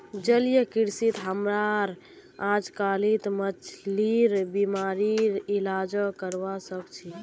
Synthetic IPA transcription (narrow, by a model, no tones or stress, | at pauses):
d͡ʒəlijəkiɾsit̪ɦəmɾaɾ | ad͡ʒkalit̪mət͡ʃliɾbimaɾiɾilad͡ʒəkəɾbasəkt͡ʃʰi